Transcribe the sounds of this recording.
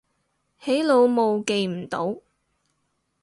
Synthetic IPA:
he˨˥jlo˨˧wmo˨˧wke˨˧jm̩˨˩t̪o˨˥w

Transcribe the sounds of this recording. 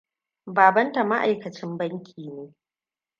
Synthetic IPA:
baː˨bɐ˦nta˨ma˦ʔa˨jkɐ˨t͡ʃɪ˦mbɐ˦ŋkʲʰiː˨neː˦

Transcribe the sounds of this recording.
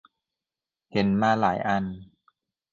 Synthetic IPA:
he˩˦nmaː˧laː˩˦jʔa˧n

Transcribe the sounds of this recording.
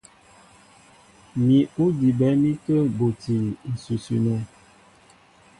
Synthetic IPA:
mi˨u˦di˨bɛ˨˦mi˦tə˦bo˨ti˨i˨su˨si˨no˦

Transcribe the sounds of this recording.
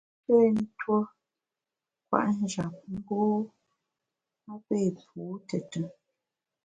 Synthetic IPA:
pe˦˨n̩˦two˦ | kwa̰˨ʔn̩˦d͡ʒa˨p̚ŋ̩˦ɡoː˦ | mə˦pe˦˨pu˨˦tə˨tə˨

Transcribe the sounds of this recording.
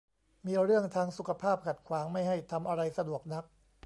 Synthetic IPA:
miː˧ɾɯ˥˩əŋt̪ʰaː˧ŋsu˨˩kʰa˧pʰaː˥˩p̚kʰa˨˩t̪̚kʰwaː˩˦ŋma˥˩jɦa˥˩jt̪ʰa˧mʔa˧ɾa˧jsa˧du˨˩ək̚na˦˥k̚

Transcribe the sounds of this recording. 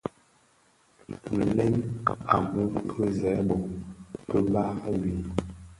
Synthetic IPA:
n̩˨lɛ˦na̰˨mə˦kʰə˦zɛ˨˦bɔ˨ŋpə˦ba˦wi˨

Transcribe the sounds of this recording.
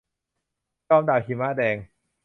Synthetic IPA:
kɔː˧mdaː˨˩wkʰiː˧˩maː˥˩dɛː˧ŋ

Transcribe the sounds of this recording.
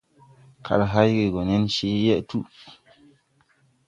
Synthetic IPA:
kʰa̰˨lɦa˦jɡe˨ɡɔ˨nɛ˦nʃi˦jɛ˦ʔtu˦

